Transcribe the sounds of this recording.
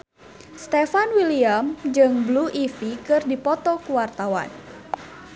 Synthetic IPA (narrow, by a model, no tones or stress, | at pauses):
st̪ɛfanwiliamd͡ʒɨŋbluʔifikɨrdipɔt̪ɔkuwart̪awa̰n